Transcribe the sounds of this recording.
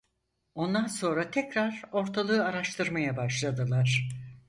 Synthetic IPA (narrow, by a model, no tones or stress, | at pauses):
o̞nd̪anso̞nɾat̪ʰɛcɾaɾo̞ɾt̪ʰalˠɯɯaɾaʃt̪ʰɯɾmajabaʃlˠad̪ɯlˠaɾ̥